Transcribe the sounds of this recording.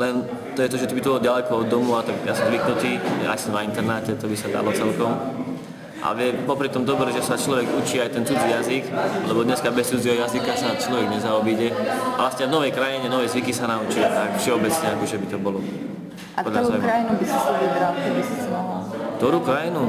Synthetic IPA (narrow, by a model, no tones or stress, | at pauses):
lɛn | t̪ɔjɛt̪ɔʒɛt̪ɔbit̪ɔbɔlɔdɟalɛkɔɔd̪ːɔmuat̪aɡjasɔmzʋiknut̪iːa̰jsɔmnaint̪ɛɾnacɛt̪ɔbisad̪a̰lɔt͡sɛlkɔm | ʔa̰ʋɪɛpɔpɾit̪ɔmd̪ɔbɾɛʒɛsat͡ʃlɔʋɛɡut͡ʃiːajt̪ɛnt͡sud͡zijaziklɛbɔd̪ɲɛskabɛst͡sud͡ziɦɔjazikasanat͡ʃlɔʋiɡɲɛzaɔbiɟɛaʋlastɲɛvnɔʋɛjkɾajiɲɛnɔʋɛjzʋikisanaut͡ʃit̪akfʃɛɔbɛt͡sɲɛakɔʒɛbit̪ɔbɔlɔ | paɔlʎazajmɾainubisasaɛbɾalt̪ɔbisazd̪aakkt̪ɔɾukɾajinu